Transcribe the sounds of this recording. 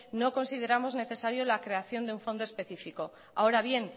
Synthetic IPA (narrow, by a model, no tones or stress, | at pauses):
no̞ko̞nsið̞e̞ɾamo̞zne̞θe̞saɾjo̞lakɾe̞aθjo̞nd̪euɱfo̞nd̪ospe̞θifiko̞ | ao̞ɾaβ̞je̞n